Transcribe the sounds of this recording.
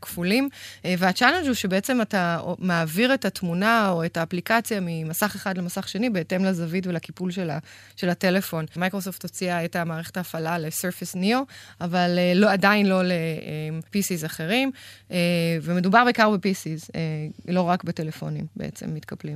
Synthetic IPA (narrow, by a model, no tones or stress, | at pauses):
kfulimveat͡ʃalend͡ʒhuʃebeet͡se̞matamaːviʁetatmunaoetaːplikat͡sjamimasaχe̞χadle̞masaχʃenibe̞ːte̞mlazavitvelakipulʃela̰ | ʃe̞late̞le̞fo̞nmajkʁo̞s̬o̞ft̪ot͡siaetamaːʁeχetaːfalaleseʁfisnioavaleːoadainlo̞le̞empisizaχe̞ʁimeveme̞dubaʁbejkaʁbepisizelo̞ʁakbete̞lefo̞̰nimbeʔḛt͡se̞̰mːitkablim